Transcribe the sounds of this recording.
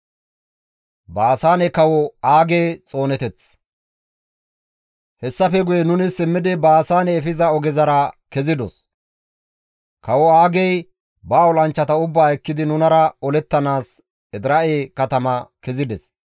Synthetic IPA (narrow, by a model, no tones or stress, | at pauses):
baːsaːnɛkɐwɔaːɡeːt͡sʼo̞ːnɛt̪ɛt͡s | hɛsːɐfɛɡʊjɛnʊnɪsɪmːɪd̪ɪbaːsaːnɛːfɪzɐɔɡɛzɐɾɐkɛzɪd̪ɔ̰s | kɐwɔaːɡɛj | bɐːɔlɐnt͡ʃːɐt̪ɐʊbːaːɛkːɪd̪ɪnʊnɐɾɐɔlɛt̪ːɐnaːs | ɛd̪ɾɐʔeːkɐt̪ɐmɐkɛzɪd̪ɛs